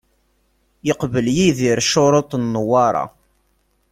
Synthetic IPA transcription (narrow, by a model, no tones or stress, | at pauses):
jəqvəljiðiɾʃoɾˤot̪ˤnːəwɑɾˤɑ̰